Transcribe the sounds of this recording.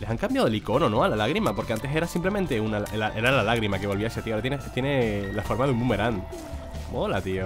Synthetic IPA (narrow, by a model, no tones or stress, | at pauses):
le̞saŋkambjaðoliko̞no̞no̞alalaɣɾimapo̞ɾkeant̪e̞se̞ɾasimple̞mẽnt̪eunalʔelaʔe̞ɾalalaɣɾimake̞β̞o̞lβiaseat̪iaɾat̪jenet̪jenelafo̞ɾmaðummume̞ɾan | molat̪io